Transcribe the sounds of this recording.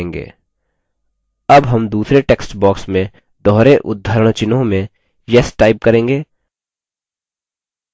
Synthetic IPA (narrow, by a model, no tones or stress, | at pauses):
ŋɡḛː | ɐbɦɐmd̪uːsɾeʈeːksʈbɔːksmẽ | d̪ɔːɾeʔʊd̪ʱːəɾəɽ̃t͡ʃɪnõmẽ | jɛsʈaːɪp̚kɐɾẽːŋɡeː